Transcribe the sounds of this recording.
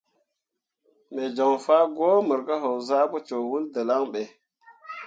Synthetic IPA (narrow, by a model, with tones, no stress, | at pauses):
me˨d͡ʒo˨ŋfa˦ɡo˦mə˨ɾka˦ɦo˨wza˦pu˦t͡ʃo˨wu˦ldə˨la˦ŋɓe˨